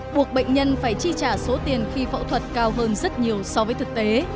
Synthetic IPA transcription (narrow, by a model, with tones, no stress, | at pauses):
ɓu˨˩ək̚ɓə̰˧˨jŋ̟ɲə˧nfaː˧˩jt͡ɕi˧t͡ɕaː˧˩so˨˦t̪i˨˩ənxi˧fə̰˧˨wt̪ʰwə˨˩t̚kaː˧wɦəː˧nzə˦˥t̚ɲi˨˩əwsɔ˧vəː˨˦jt̪ɨ˨˩k̚t̪e˨˦